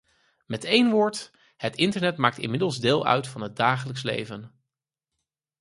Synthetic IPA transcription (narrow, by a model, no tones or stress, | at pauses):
mɛtejnʋʊːɹt | hətɪntəɹnɛtmaːk̚tɪ̰nmɪdəlˠzdɪːlˠœ̰ɥtfɑnɦəd̚daːχələkslḛjvən